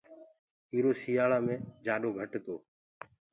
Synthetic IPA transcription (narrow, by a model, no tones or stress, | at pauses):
iːɾoːsiːjaːlaːmẽːd͡ʒaːɗoːɡʱəʈt̪oː